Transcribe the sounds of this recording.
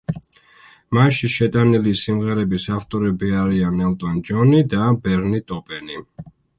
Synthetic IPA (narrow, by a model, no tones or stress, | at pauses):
maʃiʃɛt̪ʼanilisimʁɛɾɛbisaft̪ʼɔɾɛbiaɾianɛlt̪ʼɔnd͡ʒɔnid̪abɛɾnit̪ʼɔpʼɛni